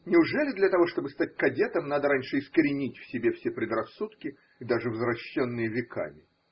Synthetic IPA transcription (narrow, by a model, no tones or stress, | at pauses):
nʲɪʊʐɛlʲɪd̪lʲɐt̪ɐvo̞ʂt̪o̞bɨst̪atʲkɐdʲe̞t̪əmnad̪əɾanʲʂɨɪskəɾʲɪnʲitʲfsʲɪbʲefsʲepɾʲɪd̪rɐsːut̪kʲɪ | id̪aʐɨvəzɾɐɕːonːɨjəvʲɪkʰa̰mʲɪ